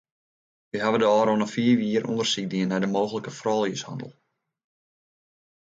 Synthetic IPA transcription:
ʋiɦaʋədəɔːɾonəfiːəʋiəɾʔṵndərsik̚diənːɛjdəmoːɣələkəfrɔːlˠjəsha̰ndəlˠ

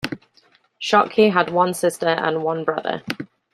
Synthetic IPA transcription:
ʃɒkʰiədwʌ̃nsɪstəɹə̰̃nwʌ̃nbɹʌðə̰

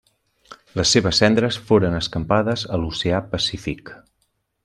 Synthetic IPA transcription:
ləsːeβəsːɛnd̪ɾəsfoɾənəskəmpaðəzəluseapəsifik

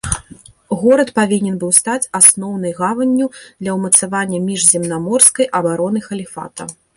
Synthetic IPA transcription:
ɣɔɾɐt̪pavʲinʲɛnbɨwst̪at͡sʲasnɔwn̪ɨjɣavɐnʲːud̪lʲɐwmɐt̪savanʲːɐmʲiʐzʲɛmnamɔrskɐjʔɐbaɾɔnɨxɐlʲifa̰t̪ɐ

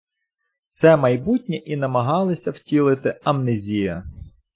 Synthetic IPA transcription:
t̪sɛmɐjbutʲnʲiʔinɐmɐɦɑlˠɪsʲɐwtʲilˠɪt̪ɪɐmnɪzʲijɐ

